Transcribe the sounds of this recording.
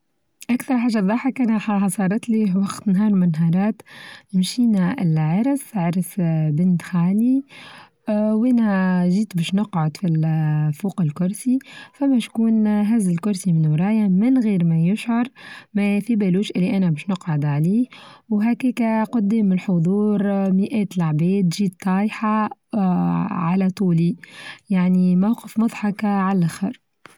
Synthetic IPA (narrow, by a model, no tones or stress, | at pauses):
ʔækθɑɾˤħaːʒːɑðˤɑːħɑkʔænħɑħɑsˤɑːɾˤɑt̪liwɑqt̪nɦɑːɾˤmʊnɦɑɾˤɑːt̪mʃiːnæɪlʕɑɾˤsʕɑɾˤsbɪnt̪xaːli | wʔæːnæʒiːt̪bæʃnʊqʕʊd̪filfuːqɪlkʊɾsifæmːæʃkuːnɦæzɪlkʊɾˤsimɪnwɾˤɑːjamɪnɣiːɾmæjʊʃʕɑɾˤmæfibæluːʃʔɪlːiʔænæbɛːʃnʊqʕʊd̪ʕaliːhwɦækɛːkæqʊd̪ːɛːmːɪnħʊðˤuːɾˤmiʔɛːt̪lʕbɛːd̪ʒiːt̪ˤːɑːjħɑ | ʕalæt̪ˤuːlijaʕnimawqəfmʊðˤħɑkʕalʔæxɑɾˤ